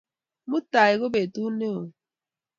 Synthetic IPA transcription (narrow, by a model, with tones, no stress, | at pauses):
mu˦ta˨i˨ɣo˦be˨tu˦ne˦o˨